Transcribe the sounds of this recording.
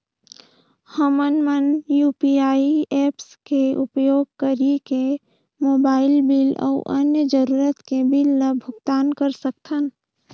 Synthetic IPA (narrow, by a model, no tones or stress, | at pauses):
həmənmənjuːpiaːieːpskeʊpjoːɡ̚kəɾike | moːbaːɪlbilɔ̰ʊʔənjəd͡ʒəɾuːɾət̪kebilːəbʱʊɡt̪aːnkəɾsək̚t̪ʰən